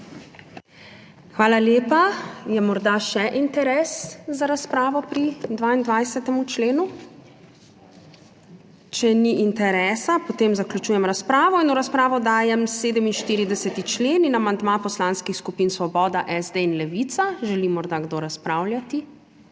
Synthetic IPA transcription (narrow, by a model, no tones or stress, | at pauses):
xʋaːlaljeːpajɛmɔɾd̪aʃɛʔint̪ɛɾɛːszaɾaspɾaːʋɔpɾid̪ʋaːind̪ʋajsɛt̪ɛmut͡ʃleːnu | t͡ʃɛniʔint̪ɛɾɛːsapɔt̪eːmzaklʲut͡ʃuːjɛmɾaspɾaːʋɔinuɾaspɾaːʋɔd̪aːjɛmseːd̪ɛminʃt̪iːɾid̪ɛsɛt̪it͡ʃleːninamand̪mapɔslaːnskixskupinsʋɔbɔːd̪aʔɛzd̪einlɛʋit̪saʒɛlimɔɾd̪aɡd̪oːɾaspɾaːwljat̪i